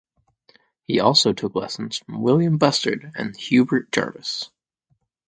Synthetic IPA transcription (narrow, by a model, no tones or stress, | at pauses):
hiɔlˠsoʊtʰʊklɛ̰sn̩z̥fɹʌ̃mwɪlˠjɨ̃mbʌstə̰˞ɾɨ̰̃nhjʉbə˞t̚d̥ʰɑ̰ɹvɨs